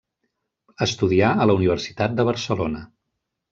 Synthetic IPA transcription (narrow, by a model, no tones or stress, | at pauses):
əst̪uðiaələuniβ̞ərsi̥t̪at̪̚d̪əβ̞əɾsəlonə